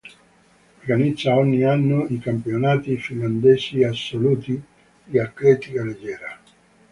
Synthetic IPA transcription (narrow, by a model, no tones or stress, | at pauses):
orɡanid̪zːaɔɲːianːoikampionaːt̪ifinland̪eːsiasːoluːt̪i | dieaklɛt̪ikaled͡ʒːɛːɾa